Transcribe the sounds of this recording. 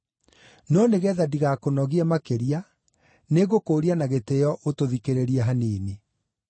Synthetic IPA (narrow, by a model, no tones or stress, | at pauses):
nɔneɣɛðadiɣakonɔɣiɛmakeɾia | neɣokoːɾianaɣetejɔʔotoðikeɾeɾiɛɦaneːne